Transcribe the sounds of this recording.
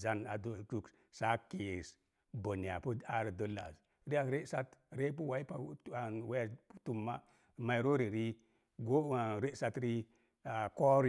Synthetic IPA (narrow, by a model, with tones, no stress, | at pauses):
za˦na˨do˨tu˦k | sa˦ke˨s | bo˨ni˨a̰˨pu˦a˦ɾa˨do˦la̰˨s | ɾi˦a˦ɾe˦sa˦tɾe˦p̬u˦wa˦i˦pa˨˦a˨nwe˦˨˦tu˨mːa˦˨ | ma˨i˨ɾo˦ɾi˨ɾi˦ | ɡo˦a˨ɾe˦sa˦tɾi˦ | a˨ko˦ɾ